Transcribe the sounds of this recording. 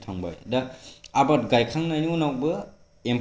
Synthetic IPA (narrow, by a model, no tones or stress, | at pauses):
tʰaŋba̰jdaabat̚ɡajkʰɾaŋnajniunawbɯ | em